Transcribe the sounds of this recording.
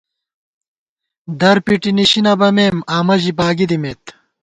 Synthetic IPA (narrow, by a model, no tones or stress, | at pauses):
d̪ɐɾpiʈiniɕinɐbɐmeːmaːmɐʑibaːɡid̪imet̪